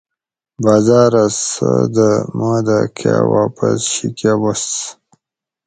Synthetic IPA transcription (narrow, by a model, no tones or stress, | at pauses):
baːzɑːɾasəd̪əmaːd̪akʰa̰waːpasɕikabas